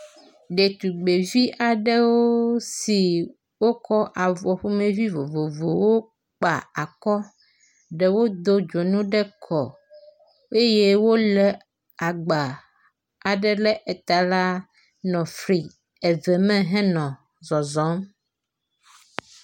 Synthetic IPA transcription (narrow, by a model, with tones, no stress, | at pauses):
ɖe˨t̪u˨ɡ͡be˨vi˦ʔa˨ɖɛ˦wo˦si˨ | wo˦kɔ˦ʔa˨vɔ˨ɸu˦mẽ˦vi˦vo˨vo˨vo˨wo˦ | k͡pa̰˨a˨kɔ˦ | ɖɛ˨wo˦d̪o˦d͡ʒo˨nũ˦ɖɛ˦kʰɔ˨ | e˦je˦wo˦lɛ˨ | a˨ɡ͡ba˨ | a˨ɖɛ˦lɛ˦ʔɛ˨t̪a˨la˦ | nɔ̃˨fɾi˨ | ɛ˨vɛ˨mɛ̃˦ɦɛ̃˦nɔ̃˨ | zɔ˨zɔ̃˨˦m